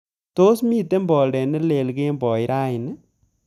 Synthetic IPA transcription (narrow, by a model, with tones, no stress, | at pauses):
to˦smi˦te˦mbɔ˨ldɛ˨ne˦le˨lke˦mbɔ˨jɾa˦ɪ˨nɛ˦